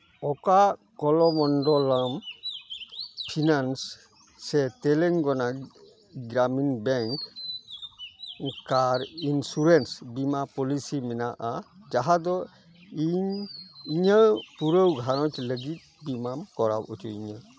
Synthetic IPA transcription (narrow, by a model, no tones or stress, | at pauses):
ɔka | kɔlɔmɔndɔlam | pʰinansː | ɛtɛleŋɡɔna | ɡɾaminbɛŋk | kaɾinsuɾensbimapɔlisimɛnaʔad͡ʒaɦad̪ɔ | iɲiɲəwpuɾəwɡʱaɾɔtləɡit̪̚bimamkɔɾa̰butʰuiɲa